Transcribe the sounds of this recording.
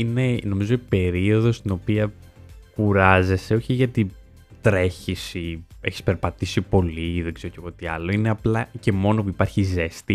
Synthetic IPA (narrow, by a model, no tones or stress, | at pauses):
ine̞no̞mizoipe̞ɾio̞ðo̞st̪ino̞piɐ | kuɾɐze̞se̞oçiʝɐt̪i | t̪ɾe̞çisie̞̰çi̥spe̞ɾpɐt̪isipo̞liðeɡzeɾoceɣot̪iɐlo̞ine̞ɐplɐce̞mo̞no̞puipɐɾçize̞st̪i